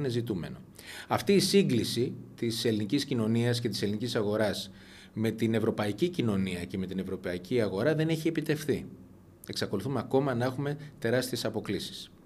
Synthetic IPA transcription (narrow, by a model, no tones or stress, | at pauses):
ne̞zit̪ume̞̰no̞̰ | ɐft̪iːsiŋɡlisit̪ise̞liniciscino̞niɐs̬ce̞t̪i̥se̞linicisɐɣo̞ɾɐs | me̞t̪ine̞vɾo̞pɐicicino̞niɐce̞me̞t̪ine̞vɾo̞pɐiciɐɣo̞ɾɐðe̞neçie̞pit̪e̞fθi | e̞ksɐko̞luθumeɐko̞mɐnɐe̞xume̞t̪e̞ɾɐst̪ie̞sɐpo̞klisi̥s